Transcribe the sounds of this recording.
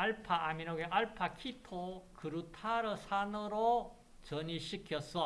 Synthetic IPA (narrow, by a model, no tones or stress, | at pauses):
aɭpʰaaminoɡeʔaɭpʰakʰitʰokɯɾutʰaɾɯsʰanɯɾo | t͡ɕʌɲiɕʰikʰjʌs͈ʌ